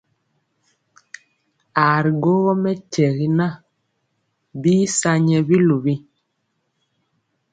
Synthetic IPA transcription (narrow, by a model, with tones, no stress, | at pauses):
a˨ɾi˨ɡo˦ɣɔ˦mɛ˦tɛ˨ɣi˦na˦ | biː˦sa˦ɲɛ˨bi˦lu˨bi˦